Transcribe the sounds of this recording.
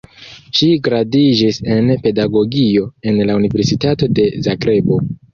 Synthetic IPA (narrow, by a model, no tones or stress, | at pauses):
ʃiɡɾadid͡ʒise̞npe̞daɡo̞ɡio̞e̞nlaunive̞ɾsitato̞de̞zaɡɾe̞bo̞